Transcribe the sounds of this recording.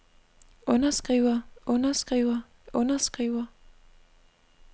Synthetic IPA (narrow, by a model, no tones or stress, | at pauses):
ʔɔ̽nɐsɡ̥ʁiːʊɐʔɔ̽nɐsɡ̥ʁiːʊɐ | ʔɔnɐsɡ̥ʁiʊɐ